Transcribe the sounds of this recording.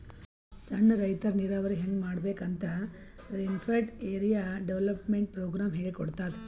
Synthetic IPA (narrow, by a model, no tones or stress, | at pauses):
sɐɳːɐɾɐjt̪ɐɾniɾaːʋɐɾiɦeŋɡmaːɽbeːkɐnt̪ɐ | ɾemfʰeɾʈeːɾijaːɖeʋlɐpmeɳʈ̚pɾoːɡɾaːmɦeːɭikɔɽt̪aːd̪e